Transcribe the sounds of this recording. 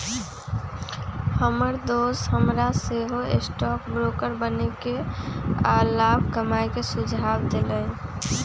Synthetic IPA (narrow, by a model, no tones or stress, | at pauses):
həməɾd̪osɦəmɾaseɦoḛsʈɔkbɾokəɾbəneke | alabʱkəmajkesud͡ʒʱabd̪elə